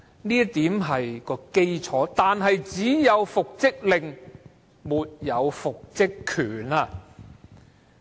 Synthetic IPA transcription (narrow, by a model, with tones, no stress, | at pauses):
niː˥t̪iː˨˥mɦɐ˨jkɔː˧ke˥jt͡sʰɔː˨˥t̪aː˨nɦɐ˨jt͡siː˨˥jɐ˨˧wfʊ˨k̚t͡sɪ˥k̚lɪ˨˩ŋ | muː˨t̚jɐ˨˧wfʊ˨k̚t͡sɪ˥kʰyː˨˩naː˧